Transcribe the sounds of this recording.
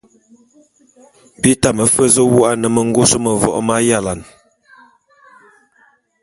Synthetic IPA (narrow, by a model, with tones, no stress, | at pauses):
bi˦ta˦˨mə˨fə˦zə˦wu˦a˦nə˨mə˨ŋ̩˦ɡo˦sə˦mə˨vɔ̰˦˨ʔma˦ja˦˨la˨n